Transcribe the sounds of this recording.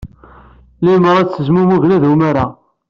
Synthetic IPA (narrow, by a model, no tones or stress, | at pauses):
liməɾæt͡sːəzmumuʝnæðumaɾa